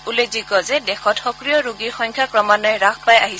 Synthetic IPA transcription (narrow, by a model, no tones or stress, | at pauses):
ulezikɔzɛdɛxɔtxɔkɹijɔɹuɡiɹxɔŋkʰjakɹɔmanɔjɛɹakʰpajaɦis